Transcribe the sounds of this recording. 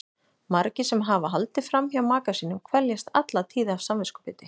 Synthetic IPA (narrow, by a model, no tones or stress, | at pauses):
maɾcɪsɛmɦavaɦalt̪ɪfɾamçjawmaːkasiːnʏmkʰvɛljast̪at̪lat̪ʰiːðav̥samvɪskʏ̥pɪːt̪ɪ